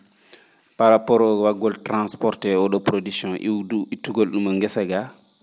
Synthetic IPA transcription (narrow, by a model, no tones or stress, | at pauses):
paɾapɔɾɔwaɡɔltɾãnspɔɾtɛɔɗɔpɾodiksjɔ̃nʔḭuitːuɡolɗumaŋɡɛsaɡa